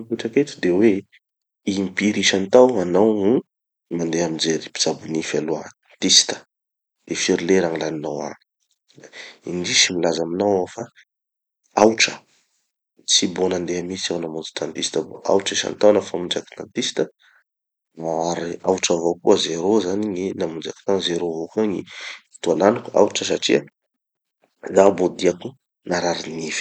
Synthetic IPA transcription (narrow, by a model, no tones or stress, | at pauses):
piʈ͡ʂaket̪u̥d̪ewe | impiɾiʃant̪awanawnu | mand̪eamind͡zeɾipi̥z̥abunifaluaa | t̪isi̥t̪ə̥ | d̪̥efiɾileɾaŋilaninawa̰n | inɖ͡ʐiʃimilazaminawofa | awʈ͡ʂə̥ | t͡sibonand̪eamit͡siawnamud͡zu̥t̪ʰant̪ist̪əvoa̰wʈ͡ʂiʃa̰nt̪awnəfamund͡zaki̥t̪ant̪ist̪ə | vaaɾiawʈ͡ʂəvokuəzeɾozaniɲinamund͡ʒaki̥t̪anzeɾovokaŋḭi̥t̪ualanukua̰uʈ͡ʂəsaʈ͡ʂiə | zabod̪iaku | naɾaɾinifi̥